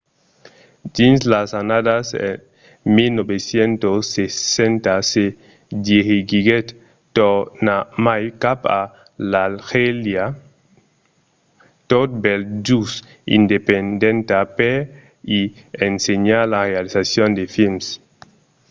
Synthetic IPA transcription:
d̪inslasanad̪asḛ | milnobesjent̪osːesent̪ase | d̪jehiɡiɡet̪ | tonamajkapa | lalxelja | t̪ot̪̚beld͡ʒus | ḭnd̪epend̪ent̪ape | i | enseɲalarealisasjond̪efilms

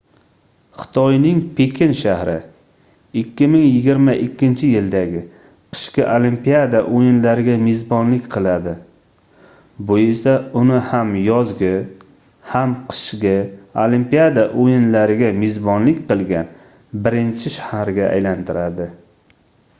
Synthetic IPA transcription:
χɨ̥t̪ʰɒjnɪŋpʰekʲʰɪnʃahɾɪ | ɪkʲʰːɪmɪŋjɪɡʲɪɾmaʔɪkʲːɪnt͡ʃʰɪjɪld̪aɡʲɪ | qʰɨ̥ʃqɪʔolimpijad̪aʔojɪnlaɾɪɡʲamezbɒnlɪkʲqʰɨlˠad̪ɪ | bʊjɪsaʊnɪhamjɒzɡʲɪ | hamqʰɨ̥ʃqʲɪolimpijad̪aʔojɪnlaɾɪɡʲamezbɒnlɪkʲqɨlˠɡʲan | bɪɾɪnt͡ʃʰɪʃahahɾɡʲaʔa̰jlant̪ʰɪɾad̪ɪ

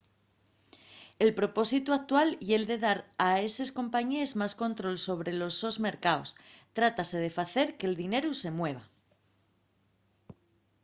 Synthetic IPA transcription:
e̞lpɾo̞po̞sit̪uak̚t̪walje̞ld̪e̞ðaɾae̞se̞sko̞mpaɲeezmasko̞nt̪ɾo̞lso̞β̞ɾe̞lo̞zo̞zme̞ɾkaost̪ɾat̪ase̞ð̞e̞faθe̞ɾke̞ːld̪ine̞ɾuse̞mwe̞β̞a

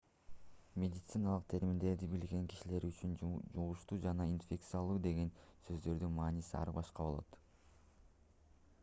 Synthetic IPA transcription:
mʲed̪ʲɪt̪sɨnalˠɯq̚t̪ʰe̞ɾmind̪e̞ɾd̪ibilɡe̞ŋki̥ʃileɾyt͡ʃynd͡ʒuʁuʃt̪uːd͡ʒɑnɑinfʲe̞k̚t̪sɨjalˠuːd̪e̞ɡe̞nsø̞zd̪ø̞ɾd̪ynmɑːnisiɑ̰ɾbɑʃqɑβo̞lˠo̞̰t̪

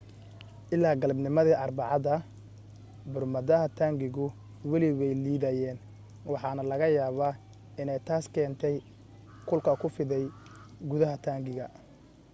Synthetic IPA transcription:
ʔɪlːaːɡɐlbnɪmɐðiːʔɑrbɑʕɑðɐ | bʊrmɐðɐɦɐt̪ʰaːŋɡɪɣʊ | wɐlɪwɛjliːðɐjɛːn | wɑħɑːnɐlɐɣɐjaːβaː | ɪnɛjt̪ʰaːskʰɛːnt̪ʰɛj | kʰʊlkʰɐkʰʊfɪðɛjɡʊðɐɦɐt̪ʰaːŋɡɪɣɐ

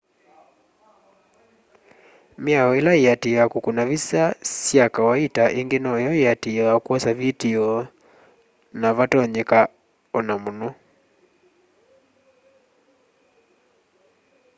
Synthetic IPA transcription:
miaɔilaiatiɔjakukunavisasjakawaitaʔiŋɡenɔjɔiatiɔjakuɔsavitiɔ | naβatɔɲɛka | ɔnamunɔ

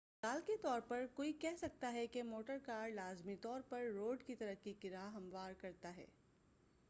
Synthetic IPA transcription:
saːlket̪ɔːɾpɐɾkoːikɛɦsɐk̚t̪aɦɛkemoːʈəɾkaːɾɖlaːzmit̪ɔːɾpɐɾːoːɖkit̪ɐɾəkikɪɾaːɦɐ̃mʋaːɾkɐɾt̪aɦɛ̰ː

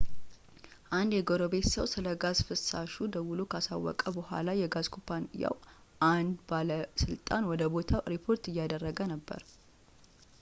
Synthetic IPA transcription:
ʔand̪jɛɡoɾobe̞t̪səwsɨləɡazfɨsːaʃud̪əwulukʰəasa̰wːɔ̰kʼəbəhʷa̰lajɛɡazkʰupʰanja̰w | ʔand̪baləsɨlt̪ʼanwɔd̪əbo̞t̪ʰaɾipʰo̞ɾt̪ɨjːad̪ərːəɡənəbːə̰ɾ

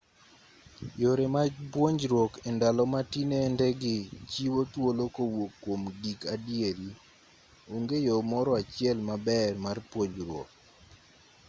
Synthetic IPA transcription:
joɾemad͡ʒpwoɲd͡ʒɾwokendalɔmatinendɛɡɪt͡ʃiwot̪wolokowokːwomdikadieɾi | uŋɡejomɔɾɔat͡ʃɪɛlmabɛrmarpwoɲd͡ʒɾwo̰k̚

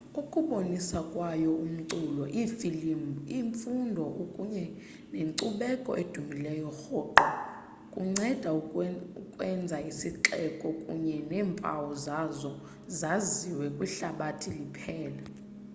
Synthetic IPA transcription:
ukʼuɓonisakʼwajɔum̩ǀulɔʔifilimiɱfundʱɔʔukʼuɲɛ | neŋǀuɓɛkʼɔ̰ʔed̥ʱumilɛjɔxɔːǃɔ | kʼuŋ͡ǀɛd̥ʱauukʼwɛnd͡zʱaisiǁɛkʼɔkʼṵɲɛnɛːmpʼa̰wɔzazɔ | zaziwɛkʼwiɬaɓatʰilipʰɛːla

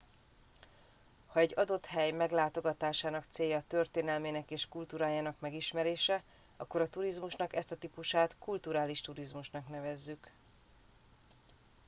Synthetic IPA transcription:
hɒɛɟːɒd̪o̞t̪hɛjmɛɡlaːt̪o̞ɡɒt̪aːʃaːnɒkt̪seːjːɒt̪ø̞rt̪eːnɛlmeːnɛkeːʃkult̪uːɾaːjaːnɒkmɛɡiʃmɛɾeːʃɛ | ɒ̰kːo̞ɾɒt̪uɾizmuʃnɒkɛst̪ɒt̪ipuʃaːt̪kult̪uɾaːliʃt̪uɾizmuʃnɒknɛvɛzːyk

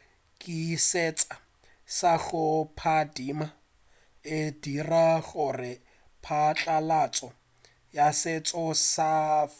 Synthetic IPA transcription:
kʼiset͡sʼa | saɣʊpʰadiːma | ɪdiraɣʊrɪ | pʰat͡ɬʼalat͡sʼɔ | jaset͡sʼɔsa

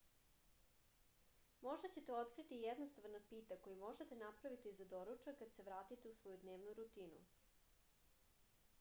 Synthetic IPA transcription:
mo̞ʒd̪at͡ɕe̞t̪eo̞t̪kɾit̪ijed̪nost̪aʋnapiːt̪ako̞jimo̞ʒet̪enapɾaʋit̪izad̪o̞ɾut͡ʃakad̪se̞ʋɾaːt̪it̪e̞usʋo̞jud̪neːʋnuɾut̪iːnṵ

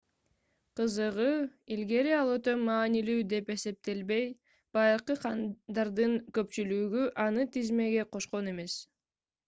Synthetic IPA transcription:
qʰɯzɯʁɯilɡe̞ɾiɑlˠøt̪ømɑːnilyːd̪e̞pe̞se̞p̚t̪e̞lbe̞j | b̥ɑjɾqɯqʰɑnd̪ɑɾd̪ɯŋkø̞p̚t͡ʃylyɡyʔɑnɯt̪izme̞ɡe̞qʰo̞ʃqo̞ne̞me̞s

